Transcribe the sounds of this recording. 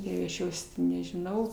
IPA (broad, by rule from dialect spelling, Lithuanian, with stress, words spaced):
ˈjɛʊ ɐʃ ˈjoːs tʲɪ nʲɛʒʲɪˈnɐʊ